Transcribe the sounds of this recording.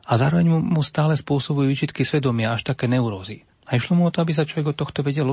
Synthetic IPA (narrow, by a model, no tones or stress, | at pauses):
azaːɾɔʋɛɲumust̪aːlɛspʊɔsɔbujuʋiːt͡ʃit̪kisʋɛd̪ɔmɪaaʃt̪akɛːnɛuɾɔːzi | aiʃlɔmuɔt̪ɔabis̬at͡ʃlɔʋɛɡɔt̪ɔxt̪ɔʋɛɟɛl